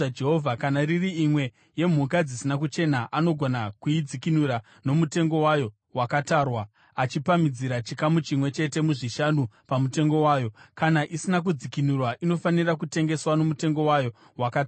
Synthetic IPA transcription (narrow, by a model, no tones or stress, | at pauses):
d͡ʒeɦovʱakanaririimwe̞ | je̞m̤ukad͡zisinak̬ut͡ʃe̞naʔano̞ɡʱonakuid͡zikinuɾa | no̞mute̞ŋɡo̞wajo̞ | wakataːrwa | at͡ʃipamid͡ziɾat͡ʃikamut͡ʃimwe̞t͡ʃe̞te̞muʐiʃanupamute̞ŋɡo̞waːjo̞kanaʔisinak̬ud͡zikinurwaʔino̞fanirakute̞ŋɡe̞swano̞mute̞ŋɡo̞wajo̞ | wakat